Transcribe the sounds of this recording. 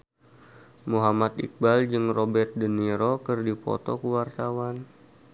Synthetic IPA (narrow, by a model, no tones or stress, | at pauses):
muɦamat̪ḭk̚bald͡ʒɨŋrobɛrt̪̚dəniɾokərdipɔ̰t̪ɔkəwart̪awan